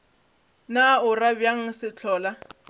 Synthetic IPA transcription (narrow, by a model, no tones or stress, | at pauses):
naʊrabjaŋ̩sɪt͡ɬʰɔːla